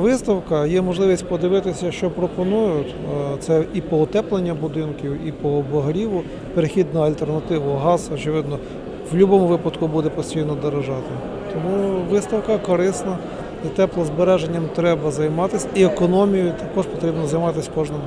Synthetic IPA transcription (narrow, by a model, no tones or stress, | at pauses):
ʋɪst̪ɐwkɐjɛmɔʒlˠɪʋʲisʲtʲpɔd̪ɪʋɪt̪ɪsʲɐʃt͡ʃɔpɾɔpɔnujʊtʲt̪sɛipɔɔt̪ɛplˠenʲːɐbʊd̪ɪnkʲiwipɔbɔɦɐɾʲiʋʊ | peɾexʲid̪nʊɐlʲt̪ernɐt̪ɪʋʊɦɑzɐɔt͡ʃɪʋɪd̪nɔ | wlʲubɔmʊʋɪpɐd̪kʊbud̪ɛpɔsʲtʲijnɔd̪ɔɾɐʒɑt̪ɪ | t̪ɔmuʋɪst̪ɐwkɐkɔɾɪsnɐ | it̪ɛplˠɐzbeɾɛʒenʲːɐmt̪ɾɛbɐzɐjmɑt̪ɪsʲɐiekɔnɔmʲijʊt̪ɐkɔʃpɔt̪ɾʲibnɔzɐjmɑt̪ɪsʲkɔʒnɪm